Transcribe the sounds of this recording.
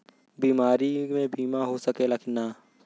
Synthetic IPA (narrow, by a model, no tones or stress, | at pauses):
biːmaːɾimẽbiːmaɦosəkelakʰɪnaː